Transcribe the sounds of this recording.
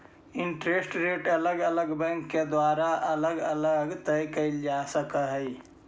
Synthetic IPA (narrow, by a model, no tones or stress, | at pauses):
ɪɳʈɾesʈɾeʈələɡələɡbɛ̃ŋkːed̪waːɾaʔələɡələɡt̪əjkəɪld͡ʒasəkəɦəj